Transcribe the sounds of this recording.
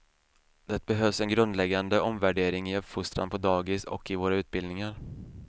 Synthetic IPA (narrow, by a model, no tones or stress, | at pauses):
d̪ɛt̪̚bɛɦøːvsɛnɡɾɵnd̪lɛɡːand̪əɔmvæɖeːɾɪŋɪɵpfʊst̪ɾa̰npʰɔd̪ɑːɡɪsɔ̰kːɪvoːɾaʉ̟ːt̪̚bɪld̪nɪŋaɾ